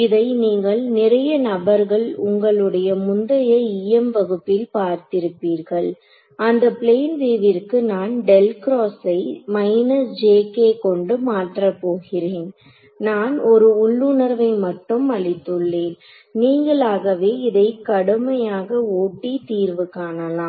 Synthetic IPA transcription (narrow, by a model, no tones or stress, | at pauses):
ɪðɐɪniːŋɡɐɭnɪɾɐjɐnɐbɐɾɣɐɭʊŋɡɐɭɯɽɐjɐmʊnd̪ɐjɐiɛmʋɐɣɯpːɪlpaːɾt̪ɪɾɯpːiːɾɣɐɭ | ɐnd̪ɐpɭeːnʋeːʋɪɾkɯnaːnɖɛlkɾoːsɐɪmɐɪnɐsd͡ʒeːkeːkɔɳɖɯmaːʈrɐpːoːɣɪɾeːn | naːnɔɾɯʊɭːʊnɐɾʋɐɪmɐʈːɯmɐɭɪt̪ːɯɭːeːn | niːŋɡɐɭaːɣɐʋeːɪðɐɪkːɐɽɯmɐjaːɣɐoːʈːit̪iːɾʋɯkaːnɐlaː